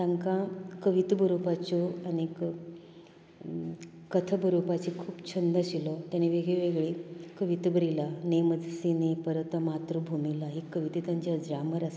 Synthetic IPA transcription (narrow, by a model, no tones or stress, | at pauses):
t̪ãŋkãkəʋit̪bʱəɾopat͡ɕɔənik | kət̪ʰəbəɾupat͡ɕikʰuːpt͡ɕʰənd̪əɕilɔt̪janeʋeɡɭeʋeɡɭekəʋit̪bʱəɾilaneməd͡zʱsinepəɾət̪mat̪ɾubʱumilaɦikəʋit̪iːt̪jãɲt͡ɕad͡zɾaməɾas